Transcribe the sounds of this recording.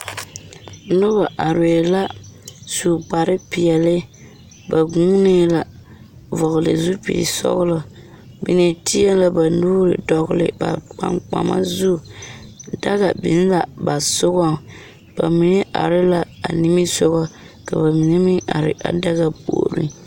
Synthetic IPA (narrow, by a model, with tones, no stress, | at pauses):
nʊ˦ba˨ʔa˨ɾe˨la˦su˨k͡pa˨ɾɪ˦pi˨ɛ˨lɪ˦ | ba˨ɡu˦nɪ˦la˨ | vɔ˨ɣʊ˨lɨ̰˨zu˦pḭ˨sɔ̰˦ɣʊ˦lɔ˨ | bḭ˨ne˨tʰi˦a˦la˨ba˨nuː˦ɾɪ̰˨dɔ˨ɣʊ˦lɪ̰˨ba̰˨k͡pa̰˨ŋk͡pa̰˨ma̰˦zu˦ | da˦ɣa˨bɪ˨n˦la˨ba˨sʊ˦ɣɔ˦˨ | b̥a̰˨mi˨nɛ˦ʔa̰˨ɾɪ˦la˨a̰˨ni˦mi˦sʊ˦ɣɔ˦ | ka˨ba˨mi˨nɛ˦mi˦a̰˨ɾɪ̰˨ʔa̰˦da˦ɣa˨po̰˨ɾḭ˦